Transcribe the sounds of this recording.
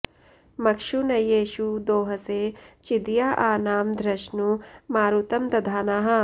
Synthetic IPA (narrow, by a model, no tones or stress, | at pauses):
mɐkʂunɐjeːʃud̪oːɦɐseːt͡ʃid̪jaːʔaːnaːmd̪ʱɾɐʃnumaːɾut̪ɐmt̪ɐd̪ʱaːnaːɦɐ